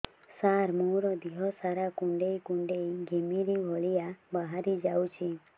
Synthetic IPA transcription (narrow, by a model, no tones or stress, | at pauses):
saɾmoɾɔd̪iɦɔsaɾakuɳɖejkuɳɖejɡʱemiɾibʱɔɭiabaɦaɾid͡ʒawt͡ʃʰi